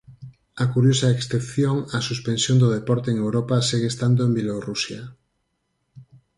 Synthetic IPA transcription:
akuɾjosaeksθepθjoŋasuspẽnsjond̪oð̞epɔɾt̪eeŋewɾopaseɣest̪and̪oembjelorusja

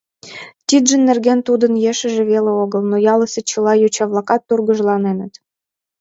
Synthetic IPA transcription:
t̪ʲid̪ʒə̆nːerɣent̪ud̪ənjeʃə̆ʒĕβeleoɣəlnojɑləsʲĕt͡ɕə̆lɑjot͡ɕɑβlˠɑkɑt̪ːurɣə̆ʒlɑnenə̆t̪

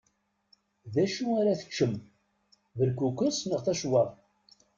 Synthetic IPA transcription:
ðæʃuaɾæθə̥t͡ʃːəm | vəɾkukʷəsnəʁθæʃwɑðˤ

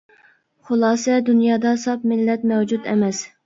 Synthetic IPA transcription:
χʊlˠɑːsɛd̪unjɑːd̪ɑsɑp̚mɪlːɛt̪̚mɛwd͡ʒut̪ɛ̰mɛs

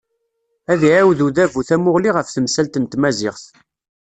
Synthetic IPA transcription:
æðiʕawðuðævuθæmʊʁliʁəfθəmsælt̪ənt̪mæzɪʁθ

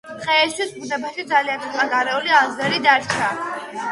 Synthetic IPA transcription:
qʼɛɛst̪ʰwisbunɛbaʃid̪zaliant̪sʰit̪ʼχʼanɡaɾɛulianzɛɾid̪aɾt͡ʃʰa

